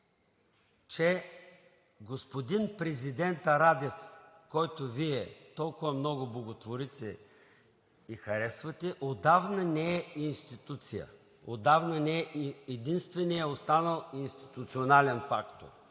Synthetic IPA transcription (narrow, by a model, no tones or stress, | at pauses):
t͡ʃɛ | ɡospod̪inpɾɛzid̪ɛnt̪ɐɾad̪ɛfkɔjt̪oviɛt̪ɔlˠkʊvɐmnɔɡʊblˠɐɡot̪voɾit̪ɛ | ixɐɾɛsvɐt̪ɛʔod̪avnənɛɛinst̪it̪ut̪sijə̰ | od̪avnənɛɛːd̪inst̪vɛnijəost̪anəlˠinst̪i̥t̪ut̪sionalɛnfakt̪o̰ɾ